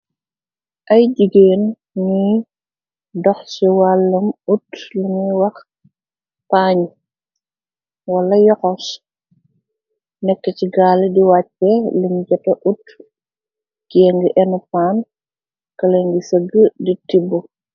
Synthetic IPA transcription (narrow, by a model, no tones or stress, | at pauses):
ʔɐjɟiɡeːn | ni | dɔxsiwalːɐmutliŋiwɐx | paɲ | wɐlɐjɔxɔs | nɛkːəciɡaːlɛdiwaːc̚pɛlimɟɐtɐʔut | ɡ̥ɛŋɡiʔɛnupaːn | kɐlɛŋɡisəɡəditibu